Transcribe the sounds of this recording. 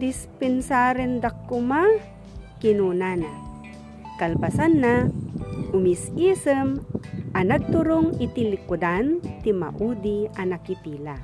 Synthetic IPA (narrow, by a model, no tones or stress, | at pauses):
d̪ispɛnsaɾind̪akːʊma | kinunana | kalpasanːa | ʔʊmisisəmʔanaɡ̚t̪ʊɾoŋɪt̪ilikʊd̪ant̪ima̰ʔud̪ianakit̪iːla